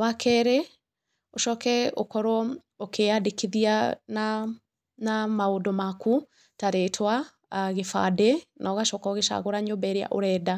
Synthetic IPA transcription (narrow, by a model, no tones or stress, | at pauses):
wakʰɛɾɛ | oʃɔkɛo̰kɔɾɔ | okʰeadekiðiana | namaodɔmaku | taɾetʰwa | ɣefa̰dɛnʔaɣaʃɔkɔɣeʃa̰ɣoɾaɲombɛɾea̰ʔoɾɛda